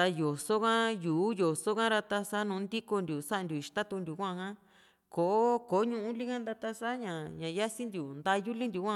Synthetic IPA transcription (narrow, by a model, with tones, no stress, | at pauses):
t̪a˧jo˨so˦kã˦juː˨˦jo˨so˦kã˦ɾa˧t̪a˧sa˦nũː˨˦nd̪i˦ko˧nd̪ʲu˨sa˦ʔnd̪ʲu˨i˨t̪a˦t̪u˧nd̪ʲu˨kʷã˦˧kã˦ | ko˨ʔo˦ko˨˦ɲũ˦ʔũ˦li˦kã˦nd̪a˧t̪a˧sa˦ɲã˨ɲã˨ja˦si˦nd̪ʲu˨nd̪a˧ju˦li˦nd̪ʲu˨kʷã˧